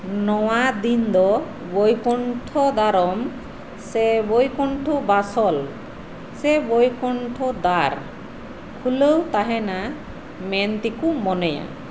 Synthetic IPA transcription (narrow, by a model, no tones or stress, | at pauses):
nɔwad̪ind̪ɔ | bojkɔɳʈʰɔd̪aɾɔm | sɛbojkɔɳʈʰɔbasɔl | sɛbojkɔɳʈʰɔd̪aɾ | kʰuləwt̪aɦɛna | mɛnt̪ikumɔnɛja̰